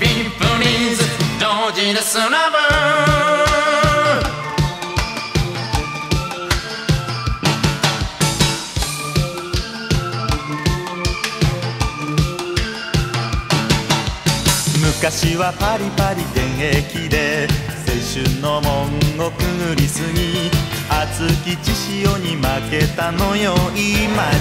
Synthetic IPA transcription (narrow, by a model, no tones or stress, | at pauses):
pipɯnizɨd̪od͡ʑiɾɨsɨnamɯ | mɯ̟kaɕiβapaɾʲipaɾʲid̪ẽ̞ɰ̃e̞kʲid̪e̞ | sẽ̞ɕɨnːo̞mõŋokɯ̟̃ɾʲisɨɲ̟iat͡sɨkʲit͡ɕiɕijoɲ̟imake̞t̪anojoima